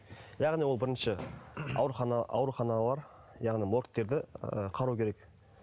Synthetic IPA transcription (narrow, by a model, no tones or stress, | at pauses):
jɑʁnijwolbɪɾɪnʃɪɑ̰wɾuχɑnɑɑ̰wɾuχɑnɑlˠɑɾ | jɑʁnijmoɾkt̪ːe̞ɾd̪ɪəqʰɑɾukʲʰe̞ɾe̞k